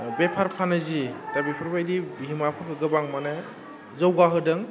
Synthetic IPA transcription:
bepʰaɾpʰanɯzitabipʰɯɾbajdibiɦimapʰɯkʰɯɡɯbaŋmanɯ | zəwɡaɦɯdɯŋ

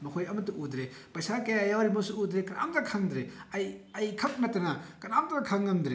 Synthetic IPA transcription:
mɐkʰojɐmɐtuʔudɾepɐjsakejajawɾimɐsuudɾekɐna̰mtakʰɐŋd̪ɾeɐjɐjkʰɐp̚nɐtɐnɐkɐnamtakʰɐŋːɐmdɾe

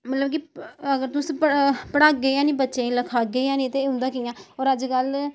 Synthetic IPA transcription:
mət̪ləbkiəɡəɾt̪ʊspəpəɽaːɡəjãːnĩːbətːʃẽːləkʰaːɡeijãːnĩːt̪eɦʊ̃nd̪aːkijãːoːɾəd͡ʒkəl

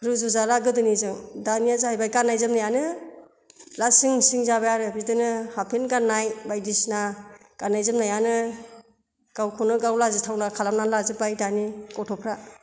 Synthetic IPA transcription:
kʰɯɾɯzuzaɾaɡɯdɯnizɯŋdaniazɯɦajbajkanajzɯmnajanɯ | lasiŋnsiŋzabajaɾɯbidɯnɯhapʰenɡanːajbajdisnakanajzɯmnajanɯ | ɡ̥awkʰɔnɯɡawlazɯtʰawnakʰalamnanlazɯbajdanikɔtʰɔpʰɾa

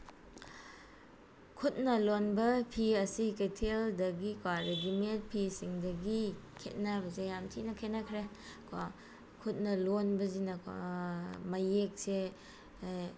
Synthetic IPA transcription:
kʰut̚nɐlonbɐpʰiɐsiketʰeldɐɡikwaɾeɡiment̚pʰisiŋdɐɡikʰet̚nabɐzejamtʰinɐkʰet̚nakʰɾe | ka | kʰut̚nɐlonbɐzinɐka̰majek̚se

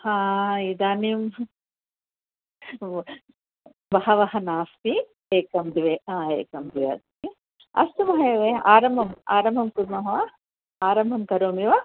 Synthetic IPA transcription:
hãːid̪aːnim | bɐɦɐʋɐɦɐnaːst̪i | eːkɐmd̪iʋeːaːḛːkɐmd̪iʋɐ̰t̪t̪i | ɐ̰st̪umɐɦɐjɐʋeːaːɾɐmbʱɐma̰ːɾɐmbʱɐmkud̪̚mɐɦɐʋa | aːɾɐmbʱɐmkɐɾoːmiʋa

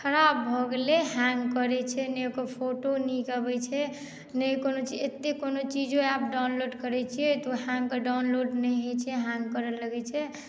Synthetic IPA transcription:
kʰəɾabbʱɔɡeleɦãŋɡkəɾɛt͡ʃʰɛnɛkopʰoʈonikəbɛt͡ʃʰɛ | nəjkonot͡ʃiet̪ːekonot͡ʃid͡ʒõap̚ɖawnloɖkəɾɛt͡ʃʰiɛt̪oɦãŋɡkəɖawnloɖnəjɦet͡ʃʰɛɦãŋɡkəɾələɡɛt͡ʃʰɛ

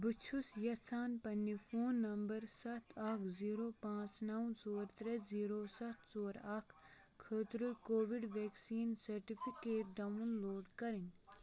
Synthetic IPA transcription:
bɨt͡ʃʰusjɐsaːnpɐnːifʰoːnːɐmbɐɾsɐt̪ʰɐkʰziːɾoːpãːt͡ʃnɐwsoːɾt̪ɾeziːɾoːsɐt̪ʰsoːɾakʰ | kʰəːt̪ɾɨkoːʋiɖʋeːksiːnsɐɾʈifʰikeːʈ̚ɖɐwunloːɖkɐɾin

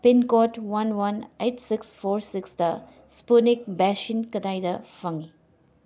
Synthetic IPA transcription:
pinkɔtwɐnwɐnejtsikspʰoɾsiksd̪ɐ | spunik̚bɛʃinkɐd̪ajd̪ɐfʰɐŋi

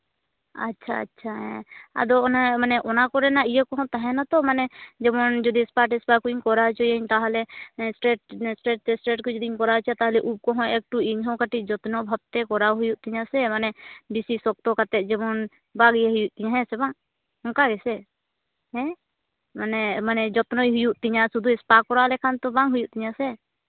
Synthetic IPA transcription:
ə̰tːʃʰaə̰tːt͡ʃʰaɦɛ̃a̰d̪ɔnɛmanɛʔɔnakɔɾɛnaijɛkɔɦɔ̃t̪aɦɛ̃nat̪ɔmanɛd͡ʒɛbɔnd͡ʒɔd̪ispaʈɛspakuiɲkɔɾat͡ʃɔjeɲt̪aɦlɛsʈɾeʈ̚sʈɾeʈ̚t̪ɛsʈɾeʈ̚kud͡ʒɔd̪iɲkɔɾat͡ʃat̪aɦlɛʔub̚kɔɦɔ̃ek̚ʈuiɲɦɔ̃kaʈid͡ʒɔt̪nɔ̃bʱab̚t̪ɛkɔɾaɦujuʔt̪iɲãsɛmanɛbisisɔk̚t̪ɔkat̪ɛʔd͡ʒɛbɔn | baɡjeɦʊjuʔt̪iɲaɦɛ̃sɛbãŋ | ɔŋkaɡɛsɛ | ɦɛ̃ | manɛmanɛd͡ʒɔt̪nɔiɦujuʔt̪iɲãsud̪ʱuɛspakɔɾalɛkʰant̪ɔbãŋɦujuʔt̪iɲãsɛ

